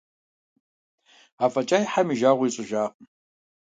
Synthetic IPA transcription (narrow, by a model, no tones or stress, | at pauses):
aːfɐt͡ʃʼaːjħamiʒaːʁʷiːt͡sʼɪʒaːqʼ